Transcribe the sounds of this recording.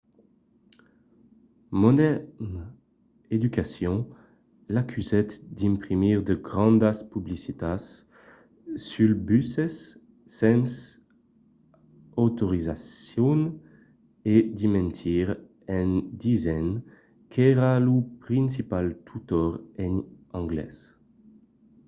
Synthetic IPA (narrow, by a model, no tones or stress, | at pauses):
mɔd̪ɛn | ed̪ykasjɔ̃ | lakʰyzɛt̪d̪ĩmpχimiʁd̪əɡʁɑ̃nd̪aspyblisit̪as | ylbysɛsː | ɛ̃ns | ot̪oʁizasjɔn | ed̪imɛ̃nt̪ʰiʁ | ɛ̃nd̪izɛn | kʰɛʁalupʁĩnsipalt̪ʰut̪ɔʁɛn | ɑ̃ŋɡlɛ̰s